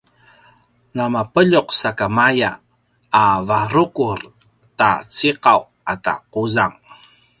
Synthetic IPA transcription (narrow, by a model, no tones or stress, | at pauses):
namapəʎuqsakamajaː | vaɾukuɾ | ta̰t͡siqaw | ata̰quzaŋ